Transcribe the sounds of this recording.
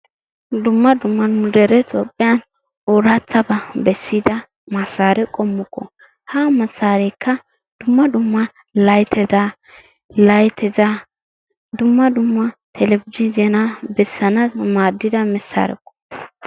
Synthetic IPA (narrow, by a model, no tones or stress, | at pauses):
d̪ʊmːɐd̪ʊmːɐnmʊd̪ɛɾɛt̪ʼoːpʼːɪjan | oɾat͡sːɐbɐbɛsːɪd̪ɐ | mɐsːaːɾɛkʼɔmːʊkːɔ̰ | haːmɐsːaːɾɛjkʰːɐ | d̪̥ʊmːɐd̪ʊmːɐ | lɐjt̪ʰɛda | lɐjt̪ʰɛzɐ | d̪ʊmːɐd̪ʊmːɐt̪ʰɛlɛbɪd͡ʒɪzɛnɐbɛsːɐnɐmaːd̪ːɪd̪ɐmɛsːa̰ɾɛ̰kːɔ̥